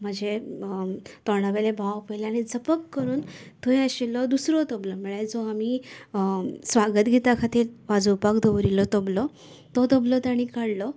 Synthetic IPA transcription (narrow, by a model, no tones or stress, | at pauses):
m̤əd͡ʑe | t̪ɔɽ̃aʋelebʱawpəjleaɽ̃id͡zəpəkːəɾuːnt̪ʰoj̃əɕilɔd̪usɾɔt̪ɔblɔməɭed͡zɔami | sʋaɡət̪ɡʱit̪akʰat̪iːɾʋad͡zupakd̪ʱoʋɾilɔt̪ɔblɔ | t̪ɔt̪oblɔt̪aɽ̃ikaɽlɔ